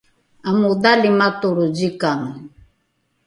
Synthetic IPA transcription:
amudalimat̪uɾud͡ʑikaŋ

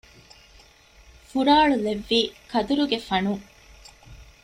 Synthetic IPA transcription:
fuɾaːɭuleʋːiːkɐd̪uɾuɡefɐnu

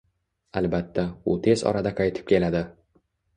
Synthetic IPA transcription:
albat̪ːaʊt̪ʰe̞zɒ̰ɾad̪aqʰɑjt̪ʰɪ̥p̚kʲʰe̞lad̪ɪ

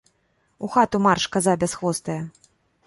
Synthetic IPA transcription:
uxat̪umarʂkazabʲasxvɔst̪ɐjɐ

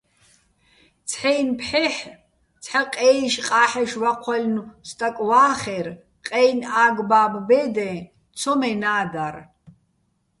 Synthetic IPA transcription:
t͡sʰħɛjnpʰħɛħ | t͡sʰħaqʼɛːʃqʼaːħɛʃwaqʷʰalʲnust̪ʼakʼwaːχɛr | qʼɛjnaːɡbaːbbɛd̪ɛ | t͡sʰɔmɛnaːd̪ar

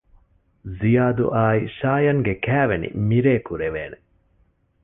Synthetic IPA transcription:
zijaːd̪ṵʔaːiʃaːjɐŋɡekæːʋenḭmiɾeːkuɾeʋeːne

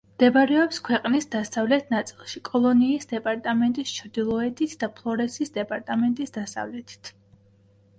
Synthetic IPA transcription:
md̪̥ɛbaɾɛɔpskʰwɛqʼnisd̪asavlɛt̪ʰnat̪sʼilˠʃikʼɔlˠɔniːsd̪ɛpʼaɾt̪ʼamɛnt̪ʼist͡ʃʰɾd̪ilˠɔɛt̪ʰit̪ʰd̪apʰlˠɔɾɛsisd̪ɛpʼaɾt̪ʼamɛnt̪ʼisd̪asa̰vlɛt̪ʰi̥t̪ʰ

